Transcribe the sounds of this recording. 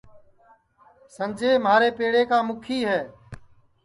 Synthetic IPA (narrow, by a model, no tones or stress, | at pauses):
sənd͡ʒʱeːmɦaːɾeːpeːɽeːkaːmʊkʰiːɦɛː